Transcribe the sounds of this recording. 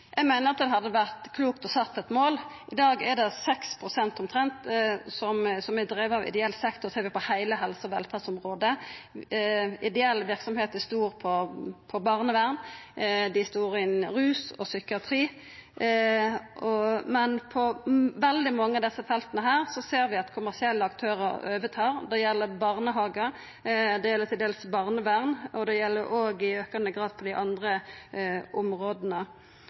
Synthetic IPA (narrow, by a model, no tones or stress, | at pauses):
jæɪɡmæɪnəɾʁɑt̪d̪ɛɦɑd̪ːəʋæʁt̪kʰluːkt̪ɔsɑt̪ːɛt̪moːlɪd̪ɑːɡɛɖ̪ɛsɛkspʰɾʊsɛnt̪ɔmt̪ʰɾɛnt̪sɔmsɔmɪd̪ɾiːʋəɑʋɪ̰d̪ɛɛlːsɛkt̪ɔseːɾʋɪpɔhæɪləɦɛlsəɔʋɛlfɑːsɔmʁoːd̪ə | ɪd̪ɛɛlːʋɪɾksɔmheːt̪̚d̪æst̪uːɾpʰɔpʰɔbɑʁnəʋæʁnd̪ɪst̪uːɾɪnɾʉːsɔ̰sʏkɪɑt̪ʰɾiː | ʔɔmɛnpʰɔʋɛld̪ɪmɑŋːəɑd̪ɛsːəfɛlt̪ənəɦæːʁsɔseːɾʋɪɑt̪kʰʊmæʁsɪɛlːəɑkt̪ʰøːɾə̰ɾøːʋət̪ʰɑːʁd̪ɛjɛlːəɾbɑʁnəɦɑːɡə | d̪ɛjɛlːət̪ʰɪld̪eːlsbɑʁnəʋæʁnʔɔd̪ɛjɛlːəɾʔoːɡɪøːkɑnəɡɾɑːd̪̚pʰɔd̪ɪʔɑnd̪ʁə | ʔɔmʁoːd̪ənə